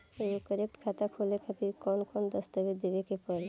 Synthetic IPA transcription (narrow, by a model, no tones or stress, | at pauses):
eokəɾek̚ʈkʰat̪akʰolekʰat̪iɾkɔnkʰɔnd̪ɔst̪abed̪ebekepɔɾe